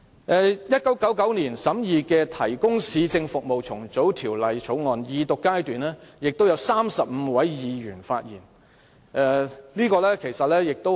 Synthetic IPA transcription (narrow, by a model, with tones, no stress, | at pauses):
ʔɛː˧jɐ˥t̚kɐ˨˥wkɐ˨˥wkɐ˨˥wniː˨˩nsɐ˨˥mjiː˨˧kɛː˧t̪ʰɐ˨˩jkʊ˥ŋsiː˨˧t͡sɪ˧ŋfʊ˨k̚mo˨wt͡sʰʊ˨˩ŋt͡so˨˥wt̪ʰiː˨˩wlɐ˨jt͡sʰo˨˥wŋɔː˨njiː˨˧t̪ʊ˨kːaː˥jt̪yː˨nlɛː˥jɪ˨k̚t̪o˥wjɐ˧wsaː˥msɐ˨p̚m̩˨˧wɐ˨˥jjiː˨˧jyː˨˩nfaː˧t̚jiː˨˩n | ʔɛ˧liː˥kɔː˧lɛː˥kʰe˨˩jsɐ˨t̚lɛː˥jɪ˨k̚t̪o˥